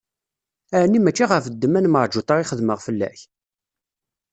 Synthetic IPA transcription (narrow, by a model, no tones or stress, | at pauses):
ænːimæt͡ʃːiʁəfəd̪ːəmænməʕˤd͡ʒut̪ˤɑɾiχəðməʁfəlːæ̰ç